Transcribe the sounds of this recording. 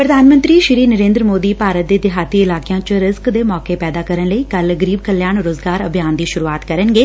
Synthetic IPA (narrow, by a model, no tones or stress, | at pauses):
pɾəd̪ʱaːnmə̃nt̪ɾiːʃɪɾiːnəɾẽːnd̪ɾəmoːd̪iːpaːɾət̪̚d̪eːd̪ɪɦaːt̪iːɪlaːkɪjãːt͡ʃɾɪzkd̪eːmɔːkeːpɛːd̪aːkəɾənləiːkəlɡəɾiːb̚kəljaːnɾoːzɡaːɾəbʱjaːnd̪iːʃʊɾuːaːt̪kəɾənɡeː